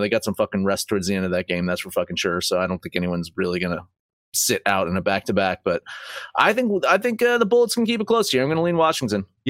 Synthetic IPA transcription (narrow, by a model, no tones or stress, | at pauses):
ðeɪɡɑtsʌ̃ɱfʌkɪ̃ŋɹɛstʰɔɹdzðiɛ̃ndʌvðɨt̚ɡ̥ẽɪ̃mðætsfə˞fʌkɪ̃ŋʃʊɹsoʊaɪɾõʊ̃nθɪ̃ŋkɛniwʌ̃nzɹɪlˠiɡʌnə | sɪɾʔaʊɾɨ̃nɨbæk̚tʰɨbæk̚b̥ʌt̚ʔa̰ɪθɪ̃ŋkaɪθɪ̃ŋkʌðəbʊlˠətskn̩kip̬ɨt̚kʰl̥oʊshiɹãɪ̃mɡʌnəlĩnwɑʃɪ̃ŋtɨ̃n